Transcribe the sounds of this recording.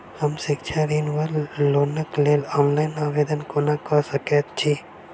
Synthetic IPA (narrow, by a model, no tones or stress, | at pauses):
hɐmsɪkt͡ʃʰaɾiːnʋəɾloːnəkleːlɔːnlaːɪnaːʋeːd̪ənkonakəsəket̪t͡ʃʰi